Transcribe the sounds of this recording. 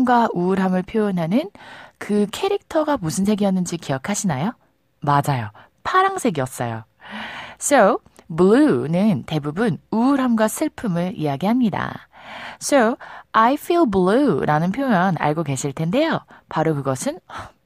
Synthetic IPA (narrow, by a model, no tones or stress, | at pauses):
mɡwauɾɦamɯɭpʰjojʌnɦanɯnkɯkʰe̞ɾik̚tʰʌɡamusʰɯnsʰe̞ɡiʌnːɯnd͡ʑikiʌkʰaɕʰinajo | mad͡ʑajo | pʰaɾaŋsʰe̞ɡiʌs͈ʌ̰jo̰ | sʰo | bɭunɯnte̞bubunuɾɦamɡwasʰɯɭpʰɯmɯɾḭaɡiɦamɲida̰ | sʰoajfʰilbɭuɾʔanɯnpʰjojʌna̰ɭɡoɡe̞ɕʰiɭtʰe̞nde̞jopaɾokɯɡʌsʰɯnʌ